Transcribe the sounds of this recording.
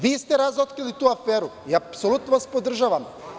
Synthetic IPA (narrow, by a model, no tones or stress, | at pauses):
viːst̪ɛɾazɔt̪kɾilit̪uafɛɾuiapsolʲut̪̚novaspod̪r̩ʒavam